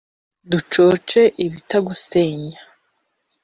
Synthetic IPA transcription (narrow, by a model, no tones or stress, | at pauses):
dut͡ʃo̞ːt͡ʃe̞ʔiβitaɡuseːɲḁ